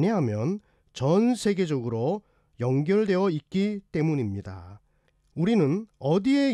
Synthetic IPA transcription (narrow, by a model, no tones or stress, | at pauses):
ɲeɦamjʌn | t͡ɕʌnsʰe̞ɡe̞d͡ʑʌɡɯɾo | jʌŋɡjʌɭdwe̞jʌik̚k͈it͈e̞muɲimɲida̰ | uɾinɯnʌdie̞